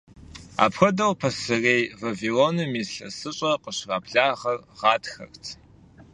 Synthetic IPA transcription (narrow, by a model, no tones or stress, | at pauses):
a̰ːpʰxʷɐdɐwpʰɐsɨreːjvɐviloːnɨmiːɬɐ̰sɨɕʼɐqəɕraːpɬaːʁɐrʁɑːtʰxɐ̰rt͡sʰ